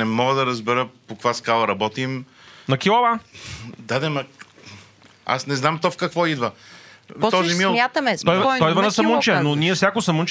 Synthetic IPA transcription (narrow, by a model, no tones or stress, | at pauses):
nɛmɔɡəd̪ɐɾɐzbɛɾəpokvaskalˠɐɾɐbɔt̪imnɐkilˠɔva | d̪ad̪ɛmɐk | a̰snɛznamt̪ɔfkɐkvɔid̪vəpt̪ɔzimilˠmjat̪əmɛt̪ɔjvɔid̪vɐnɐsɐmunt͡ʃɛnoniɛfsjakʊsɐmunt͡ʃ